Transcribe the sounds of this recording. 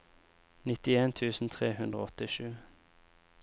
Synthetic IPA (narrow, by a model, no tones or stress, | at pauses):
nɪt̪ɪeːnt̪ʰʉːsn̩t̪ʰʁeːhʉnd̪ʁo̰ːɔt̪ɪʃʉː